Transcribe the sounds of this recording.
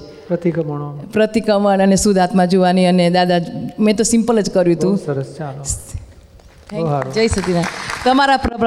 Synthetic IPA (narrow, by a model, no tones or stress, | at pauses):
pɾət̪ikəməɳopɾət̪ikəməɳənesud̪ʱat̪mãd͡ʒoʋaniəned̪ad̪ad͡ʒmɛ̃t̪̬osĩmpələd͡ʒkəɾjũt̪ũsəɾəst͡ʃals | d͡ʒəjsət̪inat̪əmaɾapɾəbɾ